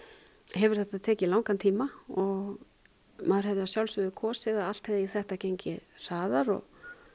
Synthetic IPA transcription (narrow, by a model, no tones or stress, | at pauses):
ɦɛvʏɾ̥θɛht̪aðt̪ʰɛːcɪlawŋkant̪ʰiːmaɔɣ | maðʏɾ̥ɦɛvðʏasjawlsʏðʏkʰɔːsɪðaðalt̪hɛðɪiθɛht̪acejɲcɪr̥aːðaɾɔ̰ɣ